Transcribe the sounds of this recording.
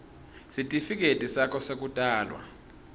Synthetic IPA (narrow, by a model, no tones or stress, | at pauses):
sitʼifik̬ʼetʼisakʰʼɔsek̬utʼaːlwa̰